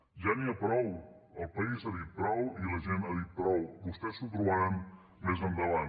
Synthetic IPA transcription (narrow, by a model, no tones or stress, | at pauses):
ʒaniəpɾɔw | əlˠpəizaðit̪̚pɾɔwiləʒenaðit̪̚pɾɔwbust̪ɛsut̪ɾuβaɾam | mezənd̪əβan